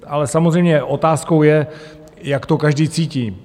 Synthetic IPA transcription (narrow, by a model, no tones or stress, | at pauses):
ʔalɛsamozrɛjmɲɛʔo̞t̪aːskowjɛ | jakt̪o̞kaʒdiːt͡siːciː